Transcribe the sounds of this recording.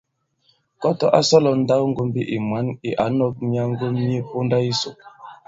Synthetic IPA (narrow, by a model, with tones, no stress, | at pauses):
kɔ˦tɔ˦ʔa˦sɔ˦lɔ˨n̩˦da˦wŋ̩˦ɡu˦mbi˦ʔi˨mwa˨˦ni˨ʔa̰˨˦nɔ˦k̚mi˦a˦ŋ˦ɡu˦mi˦e˦po˦nda˦i˦so˨